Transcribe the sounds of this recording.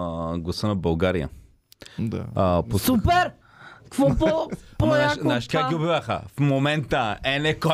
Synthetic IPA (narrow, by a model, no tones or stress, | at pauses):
ɡlˠɐsənɐbɐlˠɡaɾijə̰ | d̪a̰posupɛɾ | kvɔpɔpɔaʃnaʃkakɡɡiobivʲaxə̰fmomɛnt̪əɛnɛko